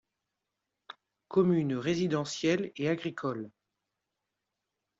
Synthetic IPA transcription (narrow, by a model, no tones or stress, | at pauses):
kɔmynʁezid̪ɑ̃sjɛleaɡʁikʰɔl